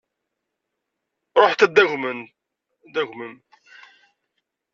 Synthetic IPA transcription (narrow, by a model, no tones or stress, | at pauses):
ɾˤoħt̪æd̪ːæʝmən | d̪æɣmən